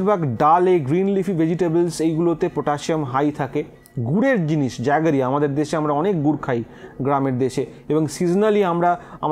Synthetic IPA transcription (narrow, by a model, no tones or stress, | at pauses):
ɾbʱaɡɖaleɡɾinlifʰiʋed͡ʑiʈebelsejɡulot̪epɾoʈaʃiomɦajt̪ʰake | ɡuɾeɾd͡ʑiniʃd͡ʑaeɡaɾiamad̪eɾd̪eʃeamɾaɔnek̚ɡuɾkʰaj | ɡɾameɾd̪eʃe | eboŋsid͡ʑnaliamɾaam